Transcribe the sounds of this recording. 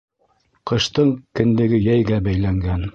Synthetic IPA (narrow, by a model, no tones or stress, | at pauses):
qɤ̆ʃt̪ɤɴkɘ̆nd̪ɘ̆ɡɘjæjɡæbæjlæŋɡæn